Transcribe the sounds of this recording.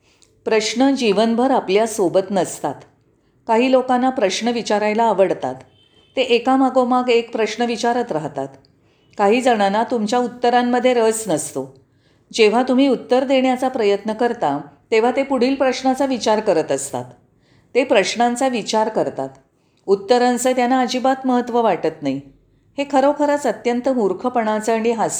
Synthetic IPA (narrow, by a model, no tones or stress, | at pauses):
pɾəɕɳəd͡ʑiʋənbʱəɾapljasobət̪nəst̪at̪ | kaɦiːlokanːapɾəɕɳəʋit͡ɕaɾajlaːʋəɽt̪a̰t̪ː | eʔekamaɡomaɡekpɾəɕɳəʋit͡ɕaɾət̪ɾaɦt̪a̰t̪ | kaɦiːd͡zəɽ̃anat̪umt͡ɕjaut̪ːəɾamːəd̪ʱːjeɾət͡snəst̪o | d͡ʑeʋ̤at̪um̤iːut̪ːəɾd̪eɳjat͡sapɾəjət̪nəkəɾt̪at̪eʋ̤at̪epuɽ̤iːlpɾəɕɳat͡saʋit͡ɕaɾkəɾət̪əst̪a̰t̪ː | epɾəɕɳãnt͡saʋit͡ɕaɾkəɾt̪a̰t̪ | ut̪ːəɾansət̪janaəd͡ʑiːbat̪məɦət̪ːʋəʋaʈət̪naɦi | hekʰəɾəwkʰəɾət͡sət̪jənt̪əmuɾkʰəpəɽat͡səɽ̃iɦas